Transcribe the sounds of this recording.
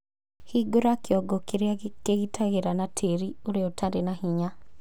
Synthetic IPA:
hiɡoɾakeɔɡɔkeɾkeɣitʰaɣeɾanatʰeɾioɾeotʰadenahiɲa

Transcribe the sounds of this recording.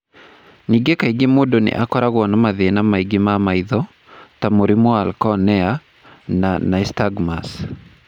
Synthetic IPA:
niɡekaiɡemodonḛʔakɔɾaɣwɔnɔmaðenamaiɡemamaiðɔ | tamoɾimoalkɔnɛa | nanaistaɡmas

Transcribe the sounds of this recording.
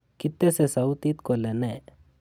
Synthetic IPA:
kit̪ːesesɐwt̪it̪kolene

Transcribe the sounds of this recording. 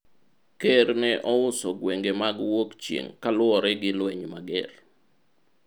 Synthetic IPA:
keɾnɛʔɔʊsɔɡweŋɡemaɡwokt͡ʃjḛŋkalʊɔɾɛɡɪlwɛɲmaɡɛ̰l

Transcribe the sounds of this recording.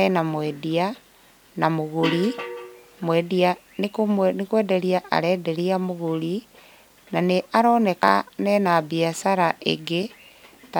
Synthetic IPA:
ɛnamwɛdia | namoɣoɾi | mwɛdia | nekomnekwɛːdɛɾiaʔa̰ɾɛːdeɾiamoɣoɾi | naneʔaɾɔːnɛkanɛnabiasaɾaʔḛɡe | t

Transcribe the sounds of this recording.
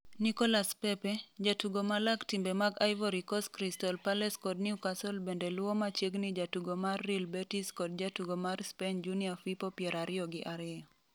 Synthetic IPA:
nikɔlaspɛpɛd͡ʒatuɡomalaktimbemaɡajvɔɾikɔskɾistɔlpalɛskɔd̚niukasɔlbendelwɔmat͡ʃjeɡnɪd͡ʒatuɡomarːilbɛtiskɔd̚d͡ʒatuɡomarspend͡ʒuniafipɔpjɛɾaɾɪɔɡɪʔaɾɪɔ

